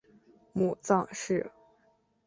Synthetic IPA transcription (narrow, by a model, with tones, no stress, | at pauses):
mu˨˩t͡sɑ˥˧ŋʂɻ̩˥˩